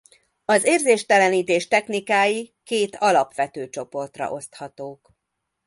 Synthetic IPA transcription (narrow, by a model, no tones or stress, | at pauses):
ɒzeːrzeːʃt̪ɛlɛniːt̪eːʃt̪ɛxnikaːjikeːt̪ɒlɒpʋɛt̪øːt͡ʃo̞po̞rt̪rɒ̰ʔo̞st̪hɒt̪oːk